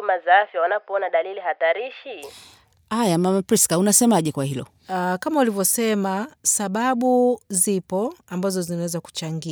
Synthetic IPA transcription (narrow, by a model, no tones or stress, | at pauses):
umazaafjawanapɔɔnaɗalilihataɾiʃi | ajamamapɾiskaunasɛmaʄɛkwahilɔ̰ | kamaulivjɔsɛmasaɓaɓuzipɔambazɔzinawɛzaku̥t͡ʃaŋɡi